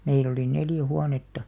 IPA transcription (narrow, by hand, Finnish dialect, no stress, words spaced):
meil oli neljæ huɑnetːɑ